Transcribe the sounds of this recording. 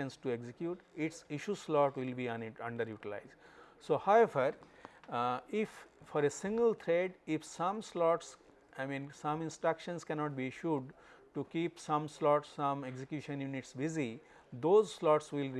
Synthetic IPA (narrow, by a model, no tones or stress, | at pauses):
ẽnsʈueɡzekjuːʈɪʈsɪʃuslɔːʈʋɪlbĩːʌ̃ɳɖəɾjuːʈɪla̰ɪzɖsoːhaʊeʋəɾ | ɪffɔːɾesɪ̃ŋɡəlt̪ʰɾeɖɪfsʌ̃mslɔːʈs | ʔaɪmĩːnsʌ̃mɪ̃nsʈɾʌkʃə̃nskɛnɔːʈ̚biʃuɖʈukiːpsʌ̃mslɔːʈsːʌ̃meɡzekjuːʃə̃njũnɪʈsbɪzi | d̪oːzslɔːʈsʋɪl